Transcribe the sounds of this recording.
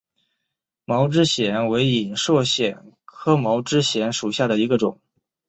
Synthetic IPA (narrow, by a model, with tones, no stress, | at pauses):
mɑ˧˥ʊʈ͡ʂɻ̩˥ɕjɛ˧˥nwe˧˥ɪi˨˩nʂwɔ˥˩ɕjɛ˨˩n | kʰɤ˥mɑ˧˥ʊʈ͡ʂɻ̩˥ɕjɛ˧˥nʂu˨˩ɕja˥˩d̪ə˩i˧˥ɡə˧ʈ͡ʂʊ˨˩˦ŋ